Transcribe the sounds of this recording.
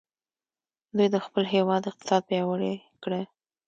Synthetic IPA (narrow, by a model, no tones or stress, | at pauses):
d̪ujd̪əxpəlɦewɑd̪ɪq̚t̪ɪ̥sɑd̪̚pjɑwəɽe | kɽe